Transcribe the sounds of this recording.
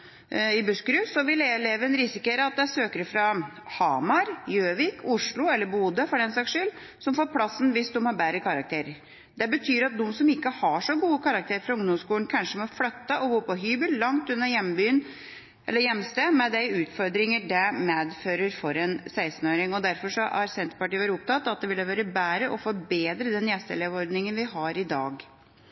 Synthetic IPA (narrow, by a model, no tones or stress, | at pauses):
ɪbʉskɾʉːsɔʋɪlɛleːʋəɛnɾɪsɪkeːɾəɑt̪̚d̪ɛæsøːkəɾəfɾɑ | hɑmɑɾjøːʋɪkʰʊʂlʊɛlːəɾbuːd̪əfɔɾɛnsɑːkʂʏl | sɔmfoːɾpʰlɑsːn̩ʋɪsd̪ʊmhɑɾbæɾəkʰɑɾɑk̚t̪ʰeːɾəɾ | d̪ɛbət̪ʰyːɾɑt̪̚d̪ʊmsɔmɪkːəhɑʂɔɡuːəkʰɑɾɑk̚t̪ʰeːɾəfɾʊŋd̪ɔmskuːənkʰɑnʂəmɔflœt̪ːəʔɔɡoːpɔɦyːbəlːɑŋt̪ʉnːəɾjɛmbyːən | ʔɛlːəɾjɛmːst̪emɛd̪æɪʉːt̪fɔɾd̪ɾɪŋəɖæmeːd̪føːɾəɾfɔɾɛnsæɪsn̩oːɾɪŋɔd̪æɾfɔʂɔʔæɾsɛnt̪ə̥pɑʈiːəʋæːɾʊp̚t̪ʰɑt̪ːɑt̪̚d̪ɛʋɪləʋæːɾəbæːɾəʔɔfɔɾbeːd̪ɾəd̪ɛnjɛst̪əleːʋɔɾd̪nɪŋənʋɪɦɑɾɪd̪ɑːɡ